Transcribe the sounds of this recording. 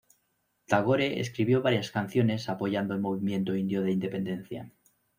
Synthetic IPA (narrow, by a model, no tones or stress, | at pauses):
t̪aɣ̞oɾeḛskɾiβ̞jo̞βaɾjaskanθjo̞ne̞sapo̞ʝand̪oelmo̞β̞imje̞nt̪o̞ind̪jo̞ðeind̪epe̞nd̪e̞nθja̰